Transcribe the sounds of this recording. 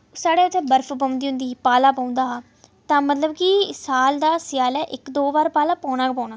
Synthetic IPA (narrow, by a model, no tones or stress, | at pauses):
saːɽeːət̪ɛ̃ːbəɾfʰpə̃ːnd̪iːɦʊ̃nd̪iːpaːlaːpaːʊ̃nd̪aː | t̪ãːmət̪ləbkisaːld̪aːsɪjaːlɛːʔɪkd̪oːbaːɾpaːlaːpɔ̃ːnaːkpɔːnaː